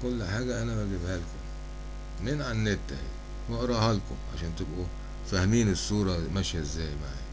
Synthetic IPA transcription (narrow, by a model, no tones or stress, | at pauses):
kʊlːħaːɡaʔanabaɡibhalkʊm | mːɪnʕanːɪt̪ːah | waʔɑɾˤɑhalkʊ̰mʕaʃeːnt̪ɪbʔu | fahmiːnɪsːuːɾˤɑmaʃjaɪzːæːjmaʕḭ